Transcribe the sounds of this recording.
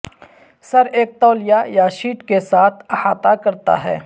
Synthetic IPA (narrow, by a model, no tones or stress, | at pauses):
sɐɾeːk̚t̪ɔːlɪjajaʃiːʈkesaːt̪ʰɐhaːt̪akɐɾt̪a̰ɦɛ̰ː